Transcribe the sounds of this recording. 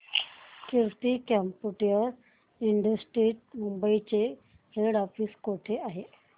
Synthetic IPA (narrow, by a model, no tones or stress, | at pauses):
kiɾtikɛmpuʈijəɾ | iɳɖəsʈɾiːʈ̚mumbəit͡ɕe | heɽafiːskoʈʰeaɦe